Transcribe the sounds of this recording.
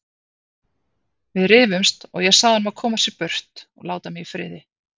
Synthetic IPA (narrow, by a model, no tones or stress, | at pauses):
vɪðɾɪːvʏmst̪ɔ̰ɣjɛɣsaːðanmaðkʰɔːmasjɛɾpœr̥t̪ɔ̰ɣlaːwt̪amɪɣifɾɪ̰ːðɪ